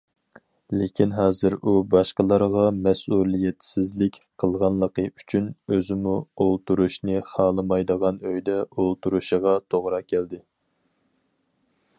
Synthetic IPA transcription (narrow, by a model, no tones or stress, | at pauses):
lekʲʰinɦɑːzɨɾubɑʃqəlˠɑɾʁɑmɛsulˠijɛt̪sɪzlɪkʲqʰəlˠʁɑnlˠəqəy̥t͡ʃʰynøzɪmuolˠt̪uɾuʃnɨχɑːlˠɨmɑjd̪əʁɑnøjd̪ɛolˠt̪uɾuʃəʁɑt̪ʰoʁɾɑkʲʰɛld̪ɪ